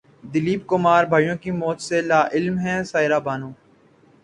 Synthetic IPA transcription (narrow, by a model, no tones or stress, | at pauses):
d̪ɪliːbkʊmaːɾbʱaːjõkimɔːt̪selaːʔɪlmɦɛ̃ːsaːɪɾaːbaːnõː